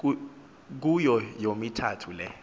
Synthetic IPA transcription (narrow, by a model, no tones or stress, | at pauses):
k̬ujɔjomitʰatʰulɛ